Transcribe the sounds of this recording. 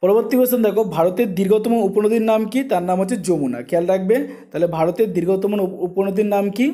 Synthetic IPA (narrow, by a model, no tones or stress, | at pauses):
pɔɾoboɾt̪ibɔsɔnd̪ɛkʰobʱaɾot̪eɾd̪iɾɡʱɔt̪ɔmonuponod̪ʱiɾnamkit̪aɾnamɦot͡ɕʰed͡ʑomuna̰kʰɛalɾakʰbet̪aɦlebʱaɾot̪eɾd̪iɾɡʱɔt̪ɔmonuponod̪ʱiɾnamki